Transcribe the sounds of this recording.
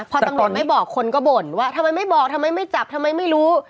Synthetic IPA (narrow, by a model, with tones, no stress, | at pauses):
pʰɔ˧t̪mɾu˨˧t̪̚ma˥˩jbɔː˨˩kʰːo˧nkɔː˥˩bo˨˩nwaː˥˩t̪ʰa˧mːa˧jma˥˩jbɔː˨˩k̚t̪ʰa˧mːa˧jma˥˩jt͡ɕa˨˩p̚t̪ʰa˧mːa˧jma˥˩jɾuː˦˥